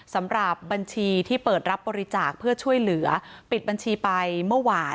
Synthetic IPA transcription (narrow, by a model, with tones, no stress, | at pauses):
sa˩˦mɾa˨˩p̚ba˧nt͡ɕʰiː˧t̪ʰiː˥˩pɤː˨˩t̪̚ɾa˦˥p̚bɔː˧ɾi˦˥t͡ɕaː˨˩k̚pʰɯ˥˩ɐt͡ɕʰu˥˩əjlɯ˩˦ɐpi˨˩t̪̚ba˧nt͡ɕʰiː˧pa˧jmɯ˥˩waː˧